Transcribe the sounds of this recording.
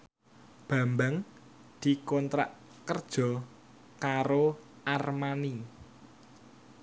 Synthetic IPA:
b̥a̤mbaŋ | d̪̥i̤kɔnt̪ɾa̰ʔ | kərd̥ʒ̥ɔ̤ | kaɾo | ʔarmani

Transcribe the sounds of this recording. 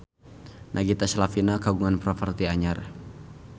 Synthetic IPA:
nʔaɡit̪aslafinakaɡuŋanpɾɔfərt̪iaɲar

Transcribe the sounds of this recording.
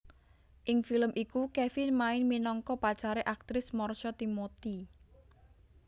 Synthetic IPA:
ʔɪŋfiləmʔikukefɪnmaɪnminɔŋkɔpat͡ʃaɾeʔak̚t̪ɾɪsmɔrʃɔt̪imot̪i

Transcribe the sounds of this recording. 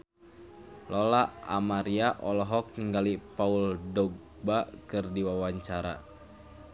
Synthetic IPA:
lɔlaa̰maɾiaʔɔlɔɦɔk̚niŋɡalipauldɔɡ̚ | bakɨrdiwawaɲt͡ʃaɾa̰

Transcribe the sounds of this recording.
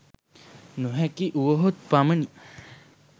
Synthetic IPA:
nuɦɛkiʔuʋəɦot̪̚paməni

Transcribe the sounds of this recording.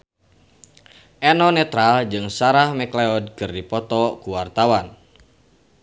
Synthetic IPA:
ʔɛnɔnɛt̪ɾald͡ʒɨŋsaɾahmɛkleɔd̚kɨrdipɔt̪ɔkuwart̪awan

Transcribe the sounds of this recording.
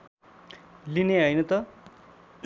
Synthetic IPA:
lineɦʌjnʌt̪ʌ

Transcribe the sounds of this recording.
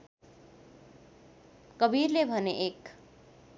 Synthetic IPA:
kʌbirlebʱʌneʔek

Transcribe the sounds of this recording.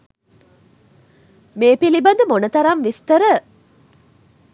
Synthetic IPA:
meːpilibɐnd̪əmonət̪ɐɾamʋist̪ɐɾə

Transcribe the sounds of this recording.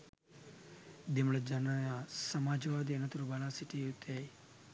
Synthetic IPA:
d̪imɭɐd͡ʒɐnajasɐmaːd͡ʒʋaːd̪enɐt̪uɾubalaːsiʈiut̪ʰej

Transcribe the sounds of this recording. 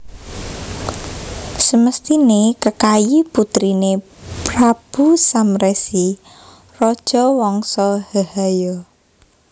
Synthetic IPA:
səməst̪inekəkajiput̪ɾine | pɾab̥usamɾɛsi | rɔd̥ʒ̥ɔ̤wɔŋsɔhəhajɔ

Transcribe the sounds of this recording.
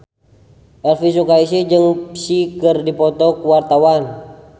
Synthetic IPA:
ʔɛlfis̬ukais̬id͡ʒɨŋpsikɨrdipɔt̪ɔkuwart̪awan

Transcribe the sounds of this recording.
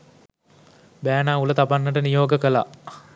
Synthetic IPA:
bæːnaːulət̪abanːəʈənijoːɡəkəla̰

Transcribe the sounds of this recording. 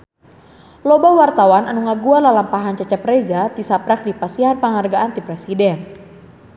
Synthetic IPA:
lɔbawart̪awananuŋaɡuanlalampaɦant͡ʃat͡ʃapɾezat̪isapɾak̚dipasiɦanpəŋarɡaʔant̪ipɾɛsidɛn

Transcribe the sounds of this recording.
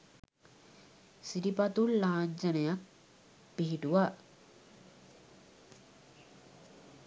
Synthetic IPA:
siɾipat̪ulːaːɲd͡ʒənəjak̚ | piɦiʈuʋa

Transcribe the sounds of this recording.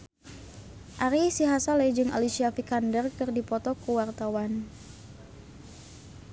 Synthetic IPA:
ʔaɾisiɦasaled͡ʒɨŋʔa̰lisiafikandərkɨrdipɔt̪ɔkuwart̪awan

